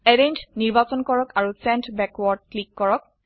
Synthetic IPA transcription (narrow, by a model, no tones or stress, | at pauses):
ɛɾentniɹbasɔnkɔɹɔkaɹusɛntbɛkwɔɹd̚klikːɔɹɔk̚